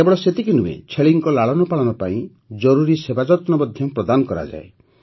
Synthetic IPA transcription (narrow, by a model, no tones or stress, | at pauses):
ebɔɭɔset̪ikinumḛt͡ʃʰeɭiŋkɔlaɭɔnɔpaɭɔnɔpaĩ | d͡ʒɔɾuɾisebad͡ʒɔt̪nɔbɔd̪ʱjɔpɾɔd̪anɔkɔɾa̰d͡ʒa̰e